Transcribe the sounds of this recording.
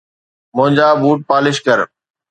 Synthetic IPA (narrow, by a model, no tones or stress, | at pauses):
mʊ̃ɦɪ̃ɲd͡ʑaːbuːʈ̚paːlɪʃkəɾ